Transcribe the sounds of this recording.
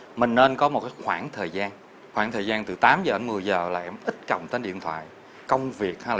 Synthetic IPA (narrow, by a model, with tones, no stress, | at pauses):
mï˨˩ŋ̟ne˧nkɔ˨˦mo˨˩kaː˨˦jxwaː˧˩nt̪ʰəː˨˩jzaː˧n | xwaː˧˩nt̪ʰəː˨˩jzaː˧nt̪ɨ˨˩t̪aː˨˦mzəː˨˩ɗə˧mɨ˨˩əjzəː˨˩laː˨˩ʔɛ˧mʔï˦˥t̟̚kə̰˨˩wŋ͡mt̪e˧˦nɗḭ˧˨ənt̪ʰwa̰ː˧˨j | kə˧wŋ͡mvi˨˩ək̚ha˧jl